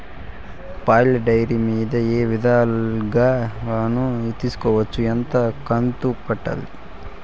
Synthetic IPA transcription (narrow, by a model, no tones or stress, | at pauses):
paːlɐɖɐjɾimiːd̪ɐeːʋid̪ʱaːlɡaːnuit̪isu̥kɔːʋɐt͡ʃːuent̪ɐkɐnt̪ukɐʈːɐ̰li